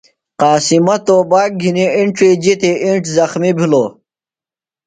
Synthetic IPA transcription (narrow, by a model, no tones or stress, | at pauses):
qaːsimɐt̪oːbaːk̚ɡʱiniiɳʈɾiːd͡ʑit̪eʔiɳʈzɐxmibʱiloː